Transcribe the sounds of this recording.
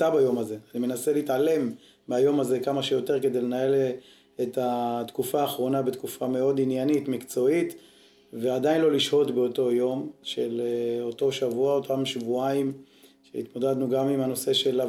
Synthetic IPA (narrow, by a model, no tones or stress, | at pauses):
abajo̞maze̞animenaseleitale̞m | bajo̞maze̞kamaʃejo̞te̞ʁke̞d̪e̞jlenae̞l | etat̪kufaːχʁo̞nabe̞t̪kufameo̞d̪injanitmikt͡so̞it̪ | ve̞ad̪ainlo̞liʃho̞tbe̞oto̞jo̞mʃeloto̞ʃavuaotamʃvuaim | ʃeit̪mo̞dad̪nuɡamimano̞se̞ʃe̞la